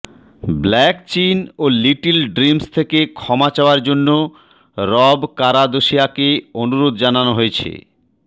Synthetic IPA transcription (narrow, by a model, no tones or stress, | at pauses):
blɛkt͡ɕinoliʈilɖɾimst̪ʰekekʰɔmat͡ɕaoaɾd͡ʑonːo | ɾɔbkaɾad̪oʃiakeonuɾod̪̚d͡ʑananoɦojet͡ɕʰḛ